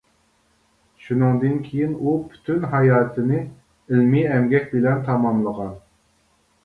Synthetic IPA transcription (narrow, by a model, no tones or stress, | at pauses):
ʃunɨŋd̪ɨnkʲʰejinupʰy̥t̪ʰynɦɑjɑːt̪ʰɨnɨ | ɪlmiɛmɡʲɛkʲbɪlɛnt̪ʰɑmɑmlˠəʁɑn